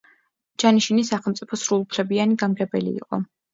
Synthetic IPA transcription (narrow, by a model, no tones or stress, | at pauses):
d͡ʒ̥aniʃinisaχɛlˠmt̪sʼi̥pʰɔsɾulˠupʰlɛbianiɡamɡɛbɛlḭːqʼɔ